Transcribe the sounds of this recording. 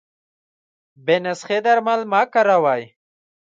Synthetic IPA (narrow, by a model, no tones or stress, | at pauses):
benasχed̪aɾmalmakaɾawaj